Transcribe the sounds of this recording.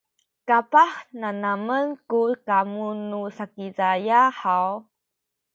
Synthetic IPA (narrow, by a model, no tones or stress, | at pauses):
kapaħnanamənkukamunusakizajaħaw